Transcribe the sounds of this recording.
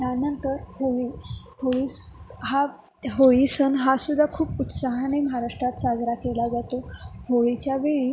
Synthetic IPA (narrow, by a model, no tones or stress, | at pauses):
t̪janənt̪əɾhoʋi | hoʋiɦa | ɦoʋisənɦasud̪ʱːakʰuːput̪saɦaneməɦaɾaʂʈɾat̪sad͡zɾakelad͡zat̪ohoʋit͡ɕjaʋeɭiː